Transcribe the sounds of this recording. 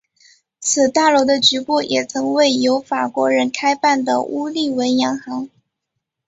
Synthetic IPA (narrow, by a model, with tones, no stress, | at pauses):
t͡sʰɹ̩˨˩t̪a˥˩lwɔ˧˥d̪ə˧t͡ɕy˧˥kɔ˥˩jɛ˨˩t͡sʰɤ˧˥ŋwe˥˩ɪjo˧˥ʊfa˨˩kwɔ˧˥ɻə˧˥nkʰa˥ɪpa˥˩nd̪ə̰˩u˥li˥˩we˧˥ɪjɑ˧˥ŋxɑ˧˥ŋ